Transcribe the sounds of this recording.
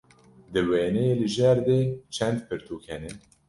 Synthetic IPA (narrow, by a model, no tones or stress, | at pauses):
d̪ɨweːnɛjeːlɨʒɛɾd̪eːt͡ʃʰɛnd̪pʰɨɾt̪ʰuːkʰɛnɛ